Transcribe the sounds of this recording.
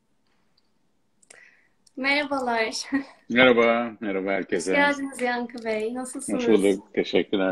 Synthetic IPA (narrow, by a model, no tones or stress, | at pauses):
meɾabalˠaɾmɛɾabameɾabaɦæɾcʰɛsɛjaːd͡ʒɯmɯzjaŋkʰɯvejnasɯlˠsasɯlˠɯt̪ʰeʃɛcʰːyɾæ